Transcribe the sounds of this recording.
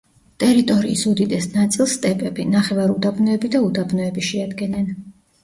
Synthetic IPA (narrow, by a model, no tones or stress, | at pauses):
t̪ʼɛɾit̪ʼɔɾḭːsud̪id̪ɛsnat̪sʼilˠst̪ʼɛpʼɛbinaχɛvaɾud̪abnɔɛbid̪aud̪abnɔɛbiʃɛad̪ɡɛnɛn